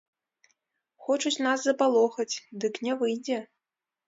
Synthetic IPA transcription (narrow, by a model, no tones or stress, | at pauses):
xɔt͡ʂut͡sʲnaszɐpalˠɔxɐt͡sʲd̪ɨknʲɛvɨjd͡zʲɛ